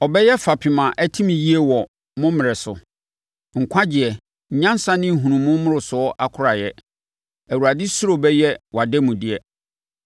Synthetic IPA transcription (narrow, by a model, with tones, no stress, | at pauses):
ɔ˨bɛ˦jɛ˦fa˨pʰi˨mã˨ʔæ˦tʰĩ˦mĩ˨ji˦e˦wɔ˨ | mʊ̃˦mɪ̃˨ɾɪ˨sʊ̰˨ | ŋ̩˨kʷʰa˦d͡ʑɪ˨ɛ˨ | ɲ̩˨ɲã˦n˦sã˦nɪ̃˦˨ɦũ˨nũ˨mʊ̃˦mʊ̃˦ɾʊ˨sʊ˨˦ɔ˦ʔa˦kʰʊ˦ɾa˨jɛ˦ | æ˨wu˨ɾa˨dɪ˦sʊ˦ɾo˨bɛ˦jɛ˦wa˨dɛ˦mũ˨dɪ˦ɛ˦